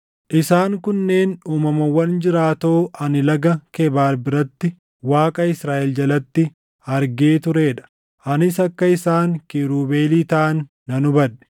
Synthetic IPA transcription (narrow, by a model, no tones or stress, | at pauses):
ʔɪsaːŋkʊnːe̞ːnuːmɐmɐwːɐnd͡ʒɪɾaːt̪o̞ːʔɐnɪlɐɡɐkebaːɾbɪɾɐt̪ːɪ | waːkʼɐɪsɾaːʔɛld͡ʒɐlɐt̪ːɪ | ɐɾɡeːt̪ʊɾe̞ːᶑɐ̥ | ʔɐnɪs̬ɐkːɐɪsaːŋkiɾuːbeːliːt̪ɐʔɐnː | ɐnʊbɐᶑɛ̥